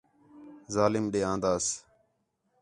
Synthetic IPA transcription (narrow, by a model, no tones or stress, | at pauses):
zaːlɪmɗeːãːnd̪aːs